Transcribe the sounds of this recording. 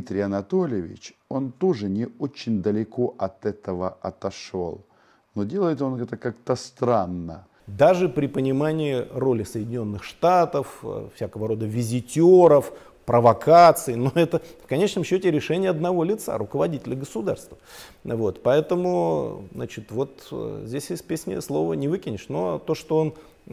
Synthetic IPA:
it̪ɾʲɪjɐnɐt̪olʲɪɪvʲɪ̰t͡ɕo̞nt̪oʐɨnʲɪot͡ɕːɪnʲd̪əlʲɪko̞ʔɐt̪ɛt̪əvəɐt̪ɐʂo̰lˠ | nodʲe̞lˠəjɪt̪onɛt̪əkakt̪əst̪ɾanːə̰ | d̪aʐɨpɾʲɪpənʲɪmanʲɪːɪro̞lʲɪsəjɪdʲɪnʲo̞nːɨxʂt̪at̪əffsʲakəvəɾo̞d̪əvʲɪzʲɪtʲoɾəf | pɾəvɐkʰat̪sɨɪno̞ɛt̪əfkɐnʲet͡ɕnəmɕːotʲɪɾʲɪʂɛnʲɪjəɐd̪nɐvo̞lʲɪt̪sa̰ɾʊkəvɐdʲitʲɪlʲəɡəsʊd̪a̰rst̪və | vo̞t̪pɐɛt̪əmʊzna̰t͡ɕɪt̪vo̞t̪zʲdʲesʲjesʲt̪̚ʲpʲesʲnʲə̰slˠo̞vənʲɪvɨkʲɪnʲɪʂno̞t̪o̞ʂt̪o̞on

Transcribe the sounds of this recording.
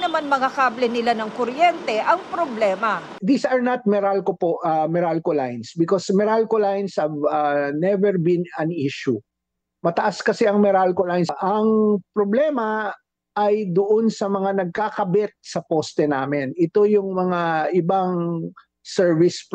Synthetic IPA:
nɐmanmɐŋakablɛnɪlanɐŋkoɾjɛnt̪ɛʔɐŋpɾoblɛːmɐ | d̪isɐɹnɐt̪̚mɛɾalkopoʔɐmɛɾalkolajnsbɪkosmɛɾalkolajnshɐvɐnɛvɛɹbĩnɐniʃu | mɐt̪ɐʔaskɐsɛʔɐŋmɛɾalkolajnsʔɐŋpɾoblɛmɐ | ʔːjd̪ʊʔonsɐmɐŋanɐɡ̚kakɐbɛt̪̚sɐpost̪ɛnaːmɪnʔɪt̪o̞jʊŋmɐŋaʔɪbaŋ | sɛɹvɪsp

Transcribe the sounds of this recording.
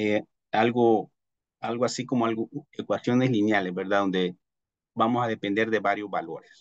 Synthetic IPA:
e | alɣo | alɣoasikomoalɣoekwasjoneslinjalesbeɾðaðo̞nd̪e | bamosaðepend̪eɾðeβaɾjozβalo̞ɾes

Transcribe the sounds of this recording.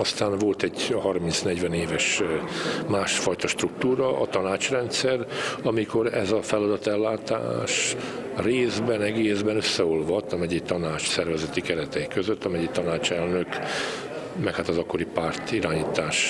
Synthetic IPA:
ɒst̪aːnvo̞lt̪ɛɟhɒrminsnɛɟʋɛneːvɛʃ | maːʃfɒjt̪ɒʃt̪ruk̚t̪uːɾɒʔɒ̰t̪ɒnaːt͡ʃrɛnt̪sɛrɒmiko̞ɾɛzɒfɛlɒd̪ɒt̪ɛlːaːt̪a̰ːʃreːzbɛnɛɡeːzbɛnøsːɛo̞lvɒt̪ːɒmɛɟikt̪ɒnaːt͡ʃsɛrvɛzɛt̪ikɛɾɛt̪ɛikøzøt̪ːɒmɛɟikt̪ɒnaːt͡ʃɛlnøk | mɛkhaːt̪ɒzɒkːo̞ɾipaːrt̪iɾaːɲiːt̪aːʃ

